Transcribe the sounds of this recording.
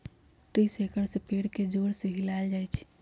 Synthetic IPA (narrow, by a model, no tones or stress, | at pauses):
ʈɾisekəɾsẽpeɽked͡ʒoɾsəbʱilald͡ʒajt͡ʃʰ